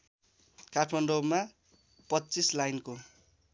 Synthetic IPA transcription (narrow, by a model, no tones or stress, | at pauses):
kaʈʰmʌnɖoma | pʌtːt͡sislajnko